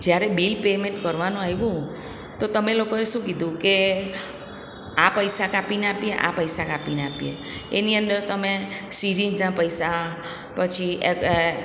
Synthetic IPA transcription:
d͡ʒjaɾebilpemeɳʈkəɾʋanõaɦjʋũ | t̪ot̪əmelokoeʃũkid̪ʱũke | apəjsakapinapieʔa̰pəjsakapinapiḛeniənd̪əɾt̪əmesiɾid͡ʒnapəjsa | pət͡ʃʰie

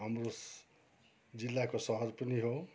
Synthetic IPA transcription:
ɦamɾo | d͡zilːakosʌɦʌɾpʌniɦo

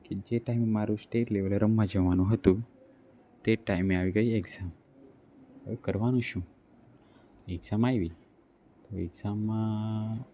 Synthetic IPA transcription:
ked͡ʒeʈaimemaɾũsʈeʈleʋəlɾəmːãd͡ʒəʋanũɦət̪ũ | t̪eʈaimeaʋiɡəjieɡzam | ekəɾʋanũʃũ | ekzamajʋi | t̪oḛɡzamːã

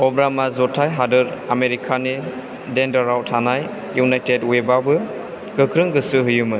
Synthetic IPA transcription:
ɔbɾamazɔtʰajɦadɯɾameɾikʰani | dendaɾawtʰanaj | junajtedwebabɯ | kɯkʰɾɯŋɡɯsɯɦɯjumɯ

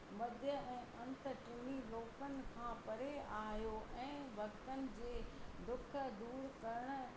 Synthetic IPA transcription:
mɐd̪ʱjəɛ̃ːʔɐ̃nt̪ə̆ʈɪmiloːkənɪ̆kʰãːpɐɾeaːɦijoʔɛ̃ːʋɐkt̪ənɪ̆d͡ʑeːd̪ʊkʰə̆d̪uːɾkɐɾəɽ̃ʊ̆

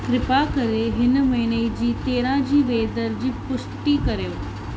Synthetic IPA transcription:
kɾɪpakɐɾeɦɪnəmɐɦɪnəid͡ʑiːt̪eːɾãd͡ʑiːʋeːd̪əɾd͡ʑiːpʊʂʈikɐɾjoː

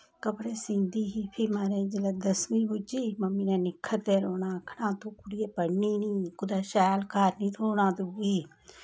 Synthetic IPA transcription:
kəpɽeːsɪ̃nd̪iːɦiːpʰimaːɾeːd͡ʒələd̪əsmĩːbʊd͡ʒiːməmiːnẽːnɪkʰːət̪eːɾoːnãːkʰɽãːt̪õːkʊɽijeːpəɽniːnĩːkʊd̪aːʃɛːlkaːɾnĩːt̪ʰoːnãːd̪ʊɡiː

